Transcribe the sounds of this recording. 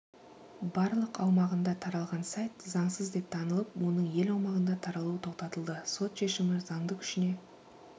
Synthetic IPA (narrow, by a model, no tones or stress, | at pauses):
bɑɾlˠəqɑwmɑʁənd̪ɑt̪ʰɑɾɑlˠʁɑnsɑjt̪zɑɴsəzd̪e̞p̚t̪ʰɑnəlˠəpwo̞nəɴje̞lɑwmɑʁənd̪ɑt̪ʰɑɾɑlˠuwət̪ʰo̞q̚t̪ɑt̪əlˠd̪əso̞t̪ʃe̞ʃɪmɪzɑɴd̪əqʰʏ̥ʃɪne̞